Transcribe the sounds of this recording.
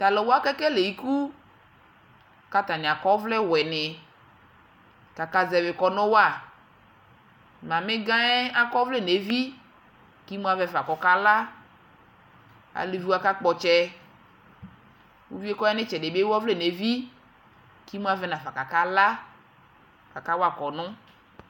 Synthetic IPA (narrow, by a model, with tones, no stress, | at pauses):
t̪a˨lɔ˨wo˦a˦kɛ˦kɛ˦le˨ji˦ku˦ | ka˨t̪a˨nẽ˨a˨kɔ˦vlɛ˦wɛ˨nɪ˨ | ka˨ka˨zɛ˨vɪ˨kɔ˦nɔ̃˦wa˨ | mã˨mɪ̃˦ɡã˦ɛ˦a˦kɔ˦vle˦ne˨vi˦ | ki˦mũ˦a˨vɛ˨fa˨kɔ˨ka˦la˦ | a̰˨li˨vi˦wa˦ka˦k͡pɔ˨t͡ʃɛ˦ | wu˦vi˦e˦kɔ˦ɛ˦nɪ̃˦t͡ʃɛ˨de˨be˦wɔ˦vle˦˨ne˨vi˦ | ki˦mũ˦a˨vɛ˦nã˨fa˨ka˨ka˦la˦ | ka˨ka˦wa˨kɔ˨nʊ̃˦